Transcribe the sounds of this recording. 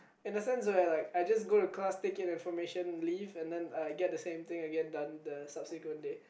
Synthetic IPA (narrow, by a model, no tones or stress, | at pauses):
ɪ̃ndəsɛ̃ns̬wɛlaɪkajd͡ʒas̬ɡoɾuklastekɪ̃nɪ̃nfɔmeʃə̃nlivɛ̃ndɛ̃najɡɛt̚dəsẽmt̪ɪ̃ŋaɡɛ̃ndɔ̃ndəsab̥sikwə̃nde